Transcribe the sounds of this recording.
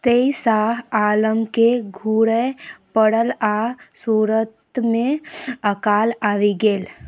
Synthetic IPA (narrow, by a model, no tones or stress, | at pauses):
t̪eːisaːɦaːləmkeɡʱuːɽepəɽəlaːsuːɾət̪mẽəkaːlaːʋiɡeːl